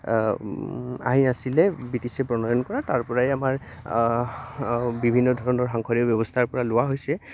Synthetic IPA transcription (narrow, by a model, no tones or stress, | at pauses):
a̰ɦinasilɛbitisɛpɹɔnɔjɔnkɔɹataɹpɔɹaɛamaɹ | bibʱinːɔdʱɔɹɔnɔɹɦaŋkʰɔɹiɔbjɔbɔstʰaɹpɔɹalʊwaɦojsɛ